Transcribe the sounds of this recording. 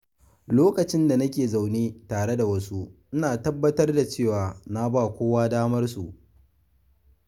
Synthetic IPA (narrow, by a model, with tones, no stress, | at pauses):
loː˦kɐ˨t͡ʃɪ˦nda˨nɐ˦kʲeː˨za˨wneː˦taː˨ɽe˦da˨wɐ˦su˦ʔɪ˦naː˨tɐ˦bːɐ˦tɐ˦rda˨t͡ʃeː˦˨waː˨na˦baː˦˨kʷoː˦waː˦daː˦mɐ˦rsu˨ʔ